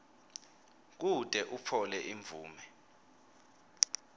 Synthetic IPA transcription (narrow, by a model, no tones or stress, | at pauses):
k̬utʼɛʔupʰɔlɛʔiɱvʱuːmɛ